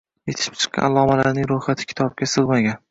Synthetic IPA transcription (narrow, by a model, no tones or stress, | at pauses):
jet̪ʰɪ̥ʃɪ̥p̚t͡ʃʰɨ̥qːɑ̰nalˠɒmalaɾnɪŋɾojχat̪ʰɪ̥kʲʰɪ̥t̪ʰɒb̚ɡʲasɨʁmaɡʲan